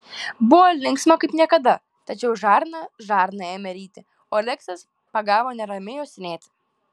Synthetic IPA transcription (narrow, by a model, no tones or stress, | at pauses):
bʊʋoːlʲɪŋksmokɐɪpnʲiɛkɐd̪ɐ | t̪ɐt͡ʃʲɛʊʒɑːɾnɐʒɑːɾnɐjɛːmʲɛɾʲiːt̪ʲɪ | oːlʲɛksɐs | pɐɡɑːʋoːnʲɛɾɐmʲɪjoːsʲɪnʲeːt̪ʲ